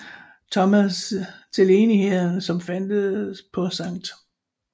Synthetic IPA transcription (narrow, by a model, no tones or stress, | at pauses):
t͡sʰɒ̽mæst͡sʰe̝le̝ːnihe̝ð̰ˠn̩sɒ̽mfænd̥əpʰɒ̽sɑ̈ŋ̰d̥